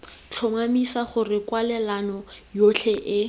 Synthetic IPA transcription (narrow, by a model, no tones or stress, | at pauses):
t͡ɬʰʊmamisaχʊrɪkwalɛlanɔjot͡ɬʰɛʔɪ